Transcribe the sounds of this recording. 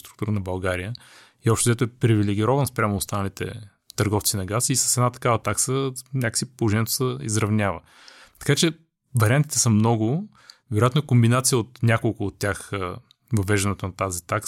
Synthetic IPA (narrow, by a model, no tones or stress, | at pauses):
st̪ɾukt̪uɾənɐbɐlˠɡaɾijə | iɔpʃt̪ozɛt̪ʊɛpɾivilɛɡʲiɾɔvɐnspɾʲamoːst̪anəlit̪ɛ̰ | t̪ɐɾɡɔft̪sinɐɡasisə̥sɛd̪nat̪ɐ̥kavət̪aksənʲakə̥sipolˠoʒɛnɛt̪o̥səḭzɾɐvnʲavə̰ | t̪ɐ̥kat͡ʃɛ | vɐɾʲiant̪it̪ɛsəmnɔɡʊ | vɛɾojat̪noɛkombinat̪sijəot̪nʲakolˠkʊot̪ːʲax | vɐvɛʒd̪ɐnɛt̪onɐt̪azit̪aks